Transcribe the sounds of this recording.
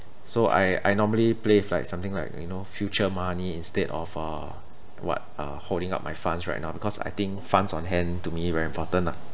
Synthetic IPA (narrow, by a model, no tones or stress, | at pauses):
soʔa̰ja̰jnɔməlipleflaɪk̚sãmt̪ɪ̃ŋlaɪk̚junofjut͡ʃəmaniĩnstedɔ̰fʌ | wɔ̰t̚ʌholdɪ̃ŋa̰ʊp̚majfãnsɹa̰t̚naʊbikʰɔsa̰jt̪ɪ̃ŋkfãnsɔ̃nɦɛ̃ntumiwɛɹĩmpʰɔtə̃nla